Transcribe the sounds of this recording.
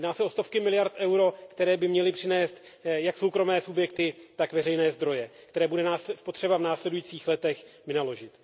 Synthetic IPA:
dnaːsɛʔo̞st̪o̞fkɪmɪlɪjaɾt̪ʔɛwɾo̞kt̪ɛɾɛːbɪmɲɛlɪpr̝̥ɪnɛːst̪ | jakso̞wkɾo̞mɛːsubjɛkt̪ɪt̪akvɛrɛjnɛːzd̪ɾo̞jɛkt̪ɛɾɛːbudɛnaːspot̪r̥ɛbavnaːslɛdujiːt͡siːxlɛt̪ɛxvɪnalo̞ʒɪt̪

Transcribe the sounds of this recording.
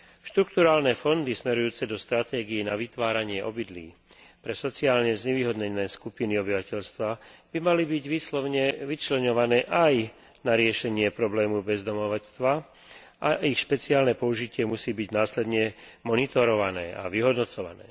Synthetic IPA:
ʃt̪ɾuk̚t̪uɾaːlnɛːfɔnd̪ismɛɾujuːt͡sɛd̪ɔst̪ɾat̪ɛːɡijinaʋit̪ʋaːɾaɲɪɛʔɔbid̪lḭː | pɾɛsɔt͡siaːlɲɛzɲɛʋiːɦɔd̪ɲɛnɛːskupiniɔbiʋacɛʎst̪ʋab̥imalibiɟʋiːslɔɲɛʋit͡ʃlɛɲɔʋanɛːʔaj | naɾɪɛʃɛɲɪɛpɾɔblɛːmubɛzd̪ɔmɔʋat͡st̪ʋa | ʔaʔixʃpɛt͡siaːlnɛpɔuʒicɪɛmusiːbiɟnaːslɛd̪ɲɛmɔnit̪ɔɾɔʋanɛːʔa̰ʋiɦɔd̪nɔt͡sɔʋa̰nɛ̰ː

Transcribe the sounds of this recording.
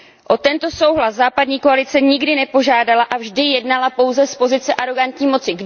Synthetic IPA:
ʔo̞t̪ɛnt̪o̞so̞wɦlaszaːpadɲiːko̞alɪt͡sɛɲɪɡdɪnɛpo̞ʒaːdalaʔavʒdɪjɛdnalapo̞wzɛspo̞zɪt͡sɛʔaɾo̞ɡant̪ɲiːmo̞t͡sɪɡ

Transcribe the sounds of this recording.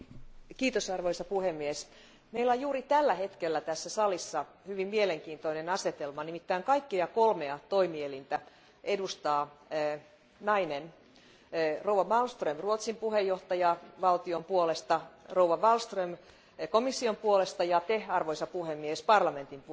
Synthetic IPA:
kiːt̪osɑrʋoisɑpuhemːies | meilojjuːɾit̪ælːæhe̞t̪kelːæt̪æsːæsɑlisːɑ | hyʋimmieleŋkiːnt̪oinenɑset̪elmɑnimit̪ːæːŋkɑijkːiɑkolmeɑt̪o̞imielint̪æ | ʔedust̪ɑː | nɑinen | rouwʋɑʋɑlst̪rømruot̪simpuhejoht̪ɑjɑʋɑlt̪iompuolest̪ɑrouwʋɑʋɑlst̪røm | komisːiompuolest̪ɑjɑt̪ehɑrʋoisɑpuhemːiespɑrlɑme̞nt̪imp

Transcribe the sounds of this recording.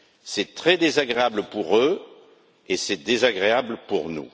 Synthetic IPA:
sɛt̪χɛd̪ezaɡʁeabləpuʁø | esɛd̪ezaɡʁeabləpuʁnṵ

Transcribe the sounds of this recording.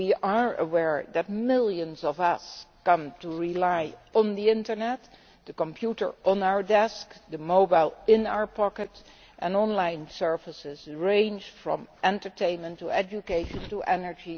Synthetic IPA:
wiəɹə̰wɛɹðɨt̚mɪlˠjɨ̃nzɔvʌskʌ̃mtuɹilaɪə̃nðiɪ̃ntə˞nɛt | dəkɔ̃mpʰjutə˞ə̃naʊə˞dɛskdəmoʊbaɪlˠɪ̃na̰ʊə˞pʰɑkət | ʔɛ̃nɔ̃nlãɪ̃nsɜ˞vəsɪzɹẽɪ̃nd͡ʒfɹɔ̰̃mʔɛ̃ntə˞tʰẽɪ̃nmə̃ntuɛd͡ʒukeɪʃə̃ntuʔɛnə˞d͡ʒi

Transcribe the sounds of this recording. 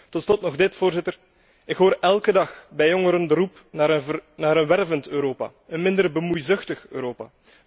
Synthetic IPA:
tɔtslɔtnɔɣdɪtfoːrzɪtər | ɪkɦoːɾɛlˠkədɑxbɛjoŋəɾəndəɾup | naːənaːɾənʋɛrvəntøːɾoːpa̰ənmɪndərbəmujzɵxtəxø̰ːɾoːpa̰ː

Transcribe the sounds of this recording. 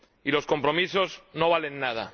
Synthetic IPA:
ilo̞sko̞mpɾomisozno̞β̞ale̞nːað̞a̰

